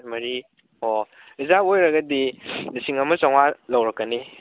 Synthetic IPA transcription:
mɐɾi | o | izaojɾɐɡɐdinisiŋɐmɐsawŋalawɾɐkːɐni

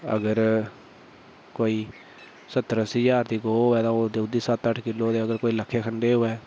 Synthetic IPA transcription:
ə̰ɡəɾ | koːiː | sət̪ɾəsiːd͡ʒaːɾd̪iːɡoːoːɛːt̪ãːoːd̪eːʊd̪ːiːsət̪əʈʰkɪlːoːt̪eːəɡəɾkoːiːləkʰːeːkʰəɳɖeːɦoːɛː

